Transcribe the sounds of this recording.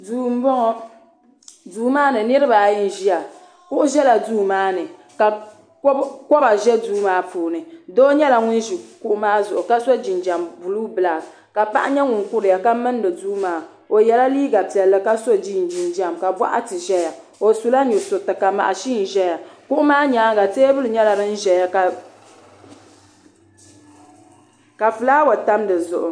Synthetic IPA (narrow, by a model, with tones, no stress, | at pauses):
duː˨m̩˦bɔ˦ŋɔ˦ | duː˦maː˦nɨ˨nɨ˦ɾɨ˦ba˨jɪ˦n̩˨ʒi˦ja˨ | kʊ˦ʔʊ˦ʒɛ˦la˨duː˦maː˦nɨ˨ | ka˨˦ | kɔ˦ba˨ʒɛ˦duː˦maː˦puː˨nɨ˨do˦ɲɛ˦la˨ŋʊ˦nʒi˨ku˦ʔʊ˦maː˦zʊ˨ʔʊ˨ka˦so˦d͡ʒi˨nd͡ʒa˨mbu˨luː˦bɨ˨la˨ | ka˨pa̰˦ʔa˦ɲɛ˦ŋʊ˨ŋ˨kʊ˦ɾɪ˨ja˨ka˦mɨ˦n˦dɨ˨duː˦maː˨˦ | o˨jɛ˨la˦liː˦ɡa˨pi˨ɛ˨lːɨ˦ka˦so˦d͡ʒi˦n˨d͡ʒi˨nd͡ʒa˨mka˨ba̰˦ʔa̰˦tɨ˨ʒɛ˦ja˨ | o˨su˨la˦ɲʊ˨so˨tɨ˨ka˨ma̰˨ʔa˨ʃi˦n˨ʒɛ˦ja˨ku˦ʔʊ˦maː˦ɲa˨˦ɡa˨teː˦bɨ˦lɨ˨ɲɛ˦la˨ɾɨ˦n̩˦ʒɛ˨ja˨ka˨ | ka˨fɨ˨laː˦wa˨ta˦mdɨ˨zʊ˨ʔʊ˨